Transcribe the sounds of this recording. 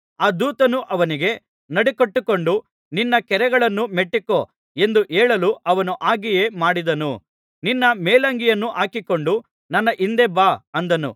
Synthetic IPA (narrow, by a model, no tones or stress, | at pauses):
aːd̪uːt̪ɐnuʔɐʋɐniɡe̞ | nɐɽikɐʈːuko̞ɳɖu | ninːɐkɛɾɛɡɐɭɐnːumeʈːiko | e̞nd̪uʔeːɭɐluʔɐʋɐnuʔaːɡijeːmaːɽid̪ɐnu | ninːɐmeːlɐŋɡijɐnːuʔaːkiko̞ɳɖu | nɐnːɐʔind̪ebaːɐnd̪ɐnṵ